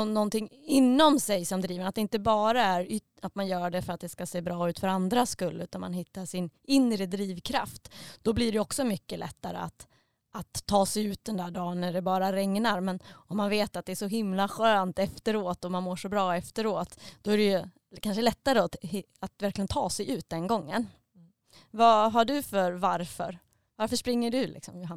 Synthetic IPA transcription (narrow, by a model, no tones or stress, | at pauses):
nɔnt̪ɪŋːɪnːɔmsɛjsɔmd̪ɾiːvəɳat̪d̪ɛɪnt̪əbɑːɾaæɾʏ | at̪manjœːɖɛfœɾat̪̚d̪ɛskaseːbɾɑːʉ̟ːt̪fœɾand̪ɾaskɵlːʉ̟ːt̪anma̰nɦɪt̪ːaʂɪnɪnɾəd̪ɾiːvkʰɾa̰ft̪d̪̥ɔblɪɖɛɔksɔmʏkːəlʔɛ̰t̪ːaɾə̰a̰t̪ | ʔat̪ʰːɑːsɛjʉ̟ːt̪̚d̪ɛnd̪æːɖɑːnːæɖɛbɑːɾaɾɛŋnaɾmɛnɔmːanveːt̪at̪̚d̪ɛæʂɔɦɪmlaɧaɾant̪ɛft̪əɾoːt̪ɔmanmoːʂɔbɾɑːɛft̪əɾoːt̪d̪̥ɔæɾɛjɵ | kʰanʂəlɛt̪ːaɾət̪hɪat̪væɾklɪɡənt̪ʰɑːsɛjʉ̟ːt̪̚d̪ɛnɡɔŋːə̰n | vaɦaɖɵfœɾvaɾfœ̰ɾ | vaɾfəʂpɾɪŋːəɖɵlɪ̰ksɔmjʊɦan